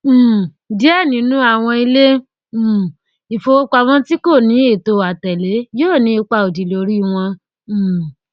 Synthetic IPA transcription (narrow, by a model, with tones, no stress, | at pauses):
di˦ɛ˦˨nĩ˨˦nũ˦a˦˨w̃ɔ̃˧i˧le˦˨ | i˨fo˧o˦k͡pa˧w̃ɔ̃˦ti˦ko˦˨nĩ˨˦e˦˨to˧˨a˨tɛ˨le˨˦joː˦˨nĩ˨˦i˧k͡pa˧o˨di˨lo˨˧˦ɾi˦w̃ɔ̃˧˨